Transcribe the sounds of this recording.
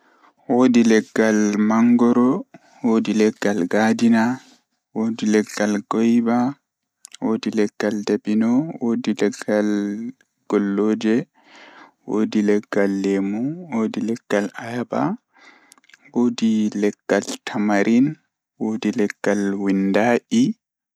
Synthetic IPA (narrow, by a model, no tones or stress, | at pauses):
woːdilɛɡːalmaŋɡɔɾɔ | woːdilɛɡːalɡadina | wodilɛɡːalɡɔjba | woːdilɛɡ̥ːaldabinɔwodilɛɡːal | ɡ̥ɔlːoːd͡ʒɛ | wo̰ːdilɛɡ̥ːalːemuwoːdilɛɡ̥ːalajaba̰ | woːdilɛɡ̥ːaltʰamaɾʔin | woːdilɛɡ̥ːalwindaːʔi